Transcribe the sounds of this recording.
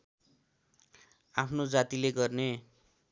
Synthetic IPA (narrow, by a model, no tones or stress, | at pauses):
apʰnod͡zat̪ileɡʌrne